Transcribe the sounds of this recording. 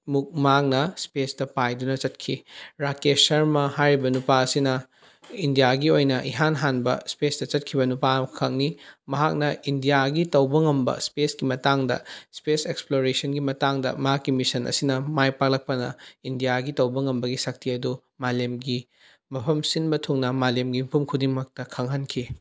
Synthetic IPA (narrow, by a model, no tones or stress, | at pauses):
muk̚maknɐspesdɐpajdunɐt͡ʃɐt̚kʰiɾakesɐɾmɐhajɾibɐnupaɐsinɐ | indijaɡiojnɐʔiɦanɦanbɐ̰spesdɐt͡ʃɐt̚kʰibɐnupakʰɐk̚nimɐɦak̚nɐindijaɡitɐwbɐŋɐmbɐ̰spesɡimɐtaŋdɐ̰speseksploɾesɐnɡimɐtaŋdɐ̰mɐɦakːimisɐnʔɐ̰sinɐmajpak̚lɐk̚pɐnɐ̰indijaɡitɐwbɐŋɐmbɐɡisɐk̚tʰiɐdu | malemɡi | mɐpʰɐmsinbɐtʰuŋnɐmalemɡimpʰumkʰudiŋmɐk̚tɐkʰɐŋɦankʰi